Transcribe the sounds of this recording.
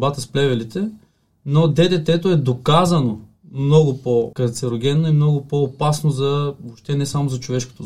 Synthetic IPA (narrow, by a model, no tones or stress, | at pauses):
bat̪əsplɛvɛlit̪ɛ | nod̪ɛd̪ɛt̪ɛt̪oɛd̪okazɐno | mnɔɡʊpokɐɾt̪sɛɾoɡʲɛnːoimnɔɡʊpoːpasnozɐvoʃt̪ɛnɛsamozɐt͡ʃovɛʃko̥t̪o